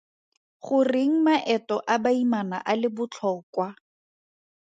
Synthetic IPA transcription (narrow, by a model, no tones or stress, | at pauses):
χʊrɪŋ̩maʔɛtɔʔabaimana̰ʔalɪbʊt͡ɬʰɔːkwa